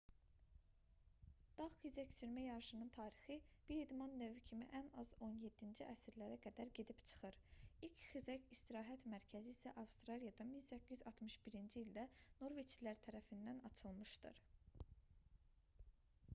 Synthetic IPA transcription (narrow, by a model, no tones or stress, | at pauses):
d̪̥ɑχxizæct͡ʃ̪ʰyɾmæjɑɾʃɯnɯnt̪ʰɑːɾixib̥iɾid̪mɑnːøvycʰimḭʔænɑzo̞nje̞d̪ːind͡ʒiʔæsiɾlæɾæɡæd̪æɾɟe̞d̪ipt͡ʃʰɯ̥χɯɾilcʰxizæcist̪iɾɑːɦæt̪mæɾcʰæziːsæʔɑvst̪ɾɑlijɑd̪ɑminsæcʰːyzɑt̪mɯʃbiɾind͡ʒiːld̪æno̞ɾvet͡ʃʰlæɾt̪ʰæɾæfind̪ænɑt͡ʃʰɯlˠmɯʃd̪ɯ̰ɾ